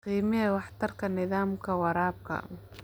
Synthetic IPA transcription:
qiːmɪɛwɑħt̪ʰɐrkʰɐnɪðaːmkʰɐwɑɾaːb̚kʰɐ̰

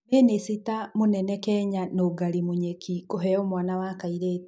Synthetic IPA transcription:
eːnesitamonɛnɛkɛːɲanoːɡaɾimuɲekʰikoɦɛɔmwaːnawakaiɾeːt

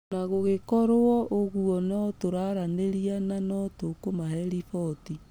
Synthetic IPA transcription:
naɣoɣekɔɾoɔʔoɣuɔnɔtoɾaɾaneɾiananɔtokomahɛɾifɔti

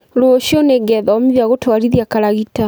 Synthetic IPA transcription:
ɾoʃjɔneɡɛðamiðaɣotwaɾiðjakaɾaɣita

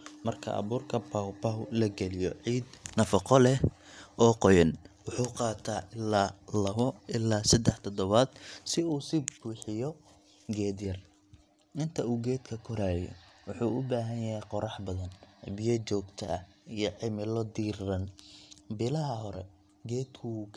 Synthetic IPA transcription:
mɐrkʰɐ̰ʔɐ̰βuːrkʰɐpʰawpɐwlɐɡɛlɪjɔʕiːd̪nɐfɑqɔlɛhʔɔːqɔjɐnwʊħuːqɑːt̪ʰaːʔɪlːaːlɐβɔʔɪlːaːsɐd̪ɛħt̪ʰɔd̪ɔβaːd̪sɪuːsɪbɡuːħɪjɔ | ɡɛːd̪jɐr | ʔɪnt̪ʰɐuːɡɛːd̪kʰɐkʰɔɾaːjɛ̰wʊħuːʊbaːɦɐnjɐɦɛjqɔɾɑħbɐðɐnbɪjɐt͡ʃɔːɡt̪ʰɐ̰ɐijɔʕɪmɪlɔd̪iːrrɐnbɪlɐɦɐɦɔɾɛ̰ | ɡɛːd̪kʰʊ

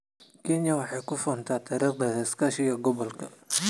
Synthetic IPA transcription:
kʰɛnjɐwɑħɑjkʰʊfɔːnt̪ʰat̪ʰɐɾɐbɛðɐskaʃɪɣɐɡɔβɔlkʰɐ

